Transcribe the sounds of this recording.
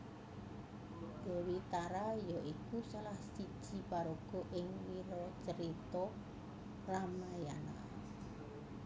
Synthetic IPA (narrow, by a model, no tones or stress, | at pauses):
d̪̥e̤wit̪aɾajɔʔikusalahsi̥ʒ̥i̤paɾoɡ̥ɔ̤ʔɪŋwiɾɔt͡ʃəɾit̪ɔ | ramajana